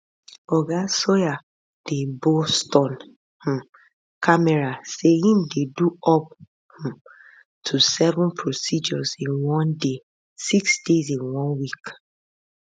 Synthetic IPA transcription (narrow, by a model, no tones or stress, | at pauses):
ɔɡasɔja | d̥ebostɔ̃n | h̩ | kamɛɹasehĩmdeduɔp̚ | hũm | tʰusɛvɔ̃npʰɹosid͡ʒɔzĩnwɔ̃nde | siksd̥ezĩnwɔ̃nwik